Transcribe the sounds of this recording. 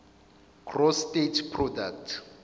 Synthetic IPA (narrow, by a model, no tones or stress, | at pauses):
kʰrɔstetʰpʰrɔdak̚tʰ